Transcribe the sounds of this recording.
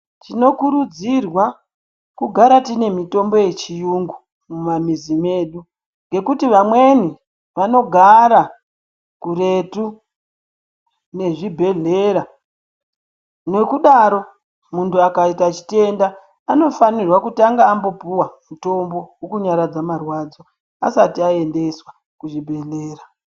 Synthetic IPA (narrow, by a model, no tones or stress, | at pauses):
t͡ʃino̞kuɾud͡zirwa | kuɡʱaɾatine̞mito̞mboje̞t͡ʃijuŋɡu | mumamizime̞ɗu | ŋɡe̞kutiʋamwe̞ni | ʋano̞ɡʱaɾa | kure̞tu | ne̞ʐibʱe̞ɮeɾa | ne̞kuɗaɾo̞ | muntuakaitat͡ʃi̥te̞ndaː | no̞fanirwakutaŋɡaːmbo̞puwamuto̞mbo̞wokuɲaɾad͡zamarwad͡zo | a̰satiae̞nde̞swa | kuʐibʱe̞ɮe̞ːra